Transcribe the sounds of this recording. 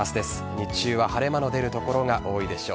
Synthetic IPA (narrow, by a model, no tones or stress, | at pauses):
asɨd̪e̞sɨ̥ɲit͡ɕɨːβahaɾe̞manod̪e̞ɾɯ̟t̪o̞ko̞ɾo̞ŋaʔo̞ːid̪e̞ɕo̞̰ː